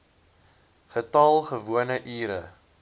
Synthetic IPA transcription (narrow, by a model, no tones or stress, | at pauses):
χətɐlˠχəvuənəʔiːɾə